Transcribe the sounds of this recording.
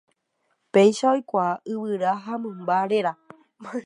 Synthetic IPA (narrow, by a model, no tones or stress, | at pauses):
pe̞jʃaojkʷaɨwɨɾaɦamɨ̃mbaɾeɾa